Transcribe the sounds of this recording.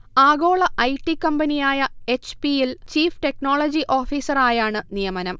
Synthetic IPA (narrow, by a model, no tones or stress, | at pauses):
aːɡo̞ːɭɐʔɐjʈːikːɐmbɐnijaːjɐe̞t͡ɕpijelt͡ɕiːfʈe̞kno̞ːɭɐd͡ʑiʔo̞ːfiːsɐraːjaːɳɨnijɐmɐnɐm